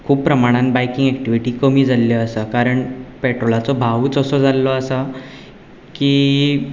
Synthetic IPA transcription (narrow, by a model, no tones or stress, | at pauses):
kʰuːppɾəmaɽ̃ãnbajkiŋɡɛkʈiʋiʈiːkəmiːd͡zʱalːjəːsəkaɾəɳpeʈɾolat͡sɔbʱaʋuːt͡səsɔd͡zʱalːɔəsa | kiː